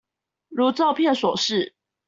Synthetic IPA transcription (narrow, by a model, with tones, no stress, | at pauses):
ɻu˧˥t͡sɑ˥˧ʊpʰjɛ˥˨nswɔ˨˩ʂɻ̩˥˩